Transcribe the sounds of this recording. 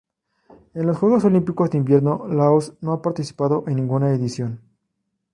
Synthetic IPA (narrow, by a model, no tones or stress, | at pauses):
e̞nlosxwe̞ɣoso̞limpiko̞zðeimbje̞ɾno̞laosno̞apaɾt̪isi̥paðo̞ʔe̞nːĩŋɡunaeðisjo̞n